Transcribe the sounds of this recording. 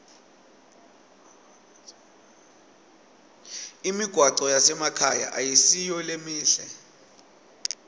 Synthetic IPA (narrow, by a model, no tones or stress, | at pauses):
imiɡ̥ʱwaǀɔjasɛmakʰaja̰ʔajisijɔlemiːɬɛ